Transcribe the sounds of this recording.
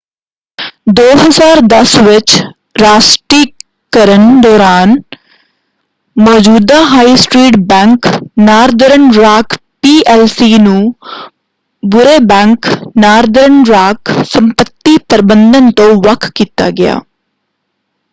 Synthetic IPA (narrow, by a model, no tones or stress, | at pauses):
d̪oːɦəzaːɾd̪əsʋɪt͡ʃ | ɾaːsʈɾiː | kəɾənd̪ɔːɾaːn | mɔːd͡ʒuːd̪aːɦaːisʈɾiːʈbɛ̃ːŋknaːɾd̪əɾəɳɾaːkʰpiːʔɛːlsiːnũː | bʊɾeːbɛ̃ːŋknaːɾd̪əɾəɳɾaːksəmpət̪ːiːpəɾbə̃nd̪ənt̪õːʋəkʰkiːt̪a̰ːɡɪja̰ː